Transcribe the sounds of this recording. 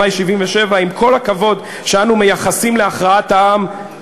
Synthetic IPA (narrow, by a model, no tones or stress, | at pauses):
ajʃivimveʃe̞vaimkʰo̞lhakavo̞d | ʃeanume̞jaχasimle̞aχʁaataam